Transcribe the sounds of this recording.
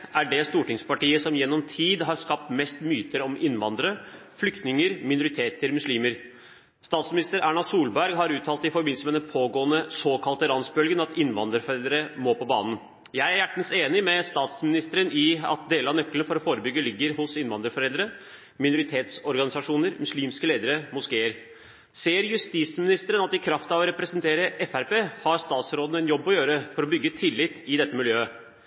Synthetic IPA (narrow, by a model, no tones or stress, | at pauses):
æɖɛst̪uːʈɪŋspɑʈiːəsɔmjɛnːɔmt̪ʰiːd̪ɦɑɾskɑp̚t̪mɛst̪myːt̪əɾɔmɪnːʋɑnd̪əɾə | flʏkt̪nɪŋəɾmɪnʊɾɪt̪ʰeːt̪ʰəɾmʉsliːməɾ | st̪ɑːt̪smɪnɪst̪əɾæːɳɑsuːlbæɾɡɦɑɾʉːt̪ʰɑːlt̪ɪfɔɾbɪnsmɛd̪ɛnpʰoːɡoːənəsoːkʰɑlt̪əɾɑnsbœlɡənɑt̪ɪnʋɑ̰nd̪əɾfɔɾɛld̪əɾəmɔːpɔbɑ̰ːnn̩ | jæɪæɾjæʈːn̩seːnɪmɛst̪ɑːt̪smɪnɪst̪əɾənɪɑ̰t̪̚d̪eːləɑnœkːlənfɔɾɔfoːɾəbʏɡːəlɪɡːəɾhʊsɪnʋɑnd̪əɾfɔɾɛld̪əɾə | mɪnʊɾɪt̪ʰeːt̪sɔɾɡɑnɪsɑʂuːnəɾmʉsliːmskəleːd̪əɾəmʊskeːəɾ | seːəɾjʉst̪ismɪnɪst̪əɾənɑt̪ːɪkʰɾɑft̪ɑʋɔɾɛpɾɛsənt̪ʰeːɾəʔɛfæɾpeːhɑɾst̪ɑːt̪sɾoːd̪n̩ɛnjɔbːɔjøːɾəfɔɾɔbʏɡːət̪ʰɪlːɪt̪ʰːɪd̪ɛt̪ːəmɪljøː